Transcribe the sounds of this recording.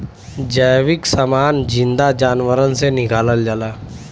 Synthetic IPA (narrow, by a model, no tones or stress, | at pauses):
d͡ʒəjʋiksəmaːnd͡ʑind̪ad͡ʒaːnʋəɾənseniɡaːləld͡ʒala